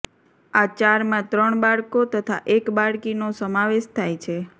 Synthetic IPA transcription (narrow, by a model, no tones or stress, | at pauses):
at͡ʃaɾmãt̪ɾəɳbaɭkot̪ət̪ʰa̰ʔekbaɭkinosəmaʋeʃt̪ʰajt͡ʃʰe